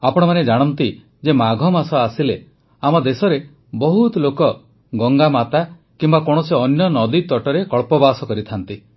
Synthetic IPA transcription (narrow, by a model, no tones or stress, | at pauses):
apɔɽ̃ɔmaned͡ʒaɽ̃ɔnt̪i | d͡ʒemaɡʱɔmasɔasile | amɔd̪esɔɾe | bɔɦut̪ɔlokɔ | ɡɔŋɡamat̪a | kimbakɔɽ̃ɔseɔnjɔnɔd̪it̪ɔʈɔɾekɔɭpɔbasɔkɔɾit̪ʰant̪i